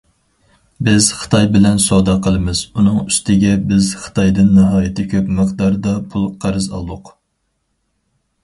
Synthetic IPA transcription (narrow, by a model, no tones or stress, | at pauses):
bɪz̥χə̥t̪ʰɑjbɪlɛnsod̪ɑqʰəlˠɨmɨz̥unɨŋyst̪ʰɪɡʲɛbɪzχə̥t̪ʰɑjd̪ɨnːɨɦɑːjɪt̪ʰɪkʲʰøpmɨqd̪ɑɾd̪ɑpʰulˠqʰæɾɨzɑ̰lˠʊq